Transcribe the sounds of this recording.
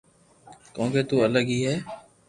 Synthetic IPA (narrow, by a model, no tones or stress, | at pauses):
kõːkeːt̪uːələɡɦiːɦɛː